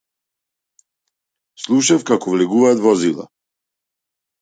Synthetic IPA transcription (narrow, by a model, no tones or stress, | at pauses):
slˠuʃafkakɔvlɛɡuvaːt̪vɔazilˠa̰